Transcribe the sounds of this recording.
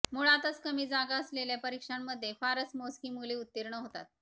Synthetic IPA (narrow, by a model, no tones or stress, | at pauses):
muɭat̪ət͡skəmiːd͡zaɡaəsleljapəɾikʂamːəd̪ʱːjefaɾəsmoskiːmuliːut̪ːiɾɳəɦot̪a̰t̪̚